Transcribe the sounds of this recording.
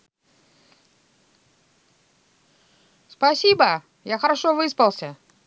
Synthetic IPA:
spɐsʲibə | jaxəɾaʂovɨspəlˠsʲə

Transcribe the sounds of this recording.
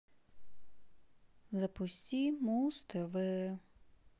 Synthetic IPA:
zɐpʊsʲtʲimust̪ɛʋɪ

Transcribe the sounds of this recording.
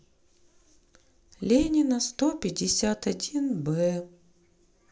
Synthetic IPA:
lʲenʲɪnəst̪opʲɪdʲɪsʲat̪ɐdʲinbɛ

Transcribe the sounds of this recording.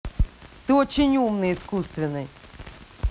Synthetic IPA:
t̪ɨɔt͡ʃinʲumnɨiskust̪vʲɪnɨj

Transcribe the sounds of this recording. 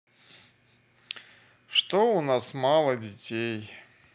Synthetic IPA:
ʂt̪oʊnasmalˠədʲɪtʲej

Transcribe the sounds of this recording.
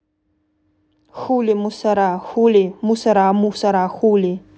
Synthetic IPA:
xulimusaɾaxulimusaɾamusaɾaxuli

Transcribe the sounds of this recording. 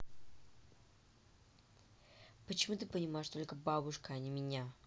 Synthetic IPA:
pət͡ɕɪmut̪ɨpənʲɪmaɪʂt̪o̞lʲkəbabʊʂkəɐnʲɪmʲɪnʲa

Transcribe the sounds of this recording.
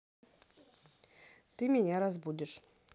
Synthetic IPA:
t̪ɨmʲenʲeɾazbud̪ʲɪʃ

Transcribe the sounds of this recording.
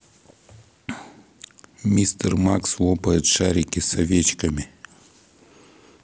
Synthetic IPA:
mʲist̪ərmaksvˠopəɪt̪ʂaɾʲɪkʲɪsɐvʲet͡ɕkɐmʲɪ

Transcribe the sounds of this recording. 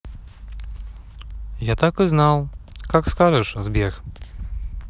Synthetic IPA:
jat̪akɨznawkakskaʐɛʂzbʲɛx

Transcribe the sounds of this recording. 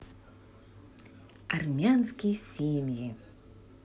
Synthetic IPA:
armʲanskʲijsʲemʲji

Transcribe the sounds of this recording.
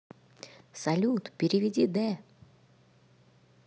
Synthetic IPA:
sɐlʲut̪pʲɪɾʲɪvʲɪdʲid̪ɛ

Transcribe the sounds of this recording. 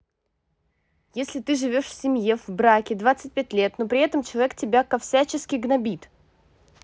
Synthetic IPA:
jesʲlʲɪt̪ɨʐɨvʲo̞ʂfʲsʲɪmʲje̞vbɾakʲɪd̪vat̪sɨt̚ʲpʲæt̚ʲlʲe̞t̪nopɾʲɪɛt̪əmt͡ɕɪlˠɐvʲektʲɪbʲakɐfsʲæt͡ɕɪskʲɪɡnɐbʲit̪

